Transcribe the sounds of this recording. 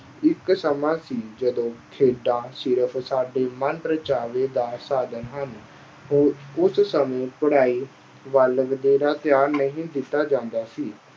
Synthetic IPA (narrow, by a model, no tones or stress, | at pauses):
ɪksəmãːsiːd͡ʒəd̪õːkʰeːɖaːsɪɾəpʰsaːɖeːmənpɾət͡ʃaːʋeːd̪aːsaːd̪ənɦən | ɦoːʊssəmẽːpəɽaːiː | ʋələɡd̪eːɾaːt̪ɪjaːɾnəɦĩːd̪ɪt̪ːaːd͡ʒãːnd̪aːsiː